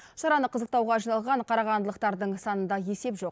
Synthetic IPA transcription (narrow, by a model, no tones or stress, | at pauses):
sɑɾɑnəqʰəzəq̚t̪ɑwʁɑʒijnɑlˠʁɑɴqʰɑɾɑʁɑnd̪əlˠəqt̪ɑɾd̪əɴsɑnənd̪ɑje̞se̞pʒo̞q